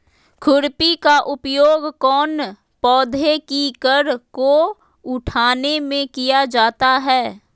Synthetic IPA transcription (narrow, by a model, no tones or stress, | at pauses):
kʰʊɾpikaʔʊpjoːɡkɔːn | pɔːd̪ʱekikəɾko | ʊʈʰaːnemẽkijad͡ʒaːt̪aɦɛː